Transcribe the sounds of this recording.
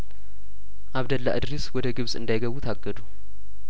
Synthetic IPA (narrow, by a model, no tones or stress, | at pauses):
ʔaβd̪ɐlːa̰ʔɨd̪ɾiswɔd̪əɡɨβsʼɨ̰nd̪ajɡəβut̪ʰaɡːəd̪u